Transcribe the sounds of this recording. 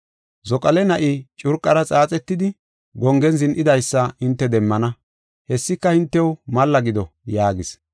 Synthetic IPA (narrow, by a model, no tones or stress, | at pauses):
zɔkʼɐlɛnɐʔɪt͡ʃʼʊɾkʼːɐɾɐt͡sʼaːt͡sʼɛt̪ːɪd̪ɪ | ɡɔŋɡɛnzɪnʔɪd̪ɐjsːɐɪnt̪ːɛd̪ɛmːɐnɐ | hɛsːɪkːɐhɪnt̪ːɛwmɐlːɐɡɪd̪ɔjaːɡɪs